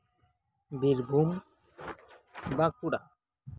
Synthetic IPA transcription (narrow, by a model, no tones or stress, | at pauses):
biɾbʱum | bakuɽa